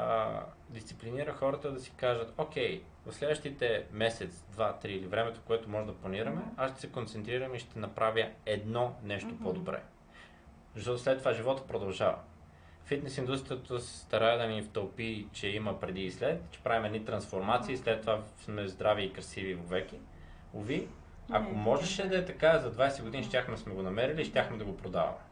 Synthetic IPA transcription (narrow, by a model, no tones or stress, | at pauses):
d̪ist̪sipliniɾəxɔɾət̪əd̪ɐsi̥kaʒət̪okʲɛj | vɐfslɛd̪vəʃt̪it̪ɛmɛsɛt̪sd̪vat̪ɾiːlivɾɛmɛt̪o̥koɛt̪omɔʒɛd̪ɐplˠɐniɾɐmɛaʃt̪ɛ̥sɛkont̪sɛnt̪ɾiɾɐmiʃt̪ɛnɐpɾʔavjəɛd̪nɔnɛʃt̪opod̪obɾɛ̰ | zəʃt̪ɔt̪oslɛt̪ːovaʒivɔt̪ə̥pɾod̪ɐlˠʒavə̰ | fit̪nɛsind̪ust̪ɾijət̪əsɛ̥st̪ɐɾaɛd̪ɐnift̪əlˠpit͡ʃɛiməpɾɛd̪iːslɛt̪t͡ʃɛ̥pɾavimɛd̪nit̪ɾɐnsfoɾmat̪siːslɛt̪ːovasmɛzd̪ɾaviːkɾɐsivivovɛki | ovi | ɐkomɔʒɛʃɛd̪ɐɛt̪ɐkazɐd̪vajsɛɡod̪iniʃt̪ʲaxmɛsmɛɡonɐmɛɾiliʃt̪ʲjaxmɛd̪ɐɡopɾod̪avɐ̰mɛ